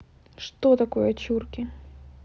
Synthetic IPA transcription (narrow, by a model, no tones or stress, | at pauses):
ʂt̪ot̪ɐkojɐt͡ɕurkʲɪ